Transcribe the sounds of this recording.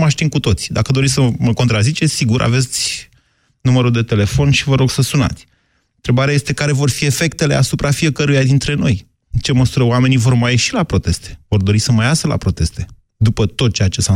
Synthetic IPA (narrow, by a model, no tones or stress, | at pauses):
maʃt̪iŋkut̪o̞t̪sʲd̪akəd̪oisəməko̞nt̪ɾazit͡ʃe̞siɡuɾʔa̰ve̞t̪sʲ | numəɾud̪e̞t̪e̞le̞fo̞nʃivəɾo̞ɡsəsuna̰t̪sʲ | nt̪ɾe̞baɾeajest̪e̞kaɾe̞vo̞rfie̞fe̞kt̪e̞le̞asupɾafie̞kəɾujad̪int̪ɾe̞no̞j | t͡ʃe̞məsuɾəoame̞nivo̞rmajeʃilapɾo̞t̪e̞st̪e̞̥vo̞rd̪o̞ɾisəmajasəla̰pɾo̞t̪e̞st̪e̞ | d̪upət̪o̞t̪̚t͡ʃeat͡ʃe̞sa